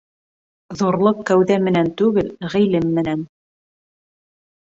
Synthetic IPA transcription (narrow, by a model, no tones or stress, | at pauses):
ðuɾlˠɤqkæwðæmɘ̆nænt̪ʉɡɘlʁilɘmːɘ̆næn